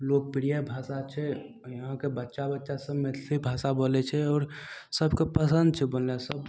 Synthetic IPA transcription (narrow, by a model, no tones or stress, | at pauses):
lok̚piɾijabʱasat͡ʃʰɛ | jəɦãkebətːʃabətːʃasəmmesibʱasabolɛt͡ʃʰɛɔːɾsəbkepəsənd̪̚t͡ʃʰɛbollɛsəb